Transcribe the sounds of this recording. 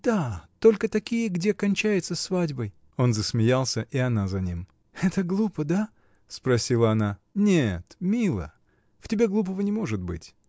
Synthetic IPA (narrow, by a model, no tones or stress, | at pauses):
d̪at̪o̞lʲkət̪ɐkʲijəɡdʲe̞kɐnʲt͡ɕæjɪt̪səsvadʲbəj | o̞nzəsmʲɪjalˠsʲəʔɪɐnazɐnʲim | ɛt̪əɡlˠupəd̪a | spɾɐsʲilˠəɐnanʲet̪mʲilˠə̰ | ftʲɪbʲe̞ɡlˠup̬əvənʲɪmo̞ʐɨt̪̚bɨ̰tʲ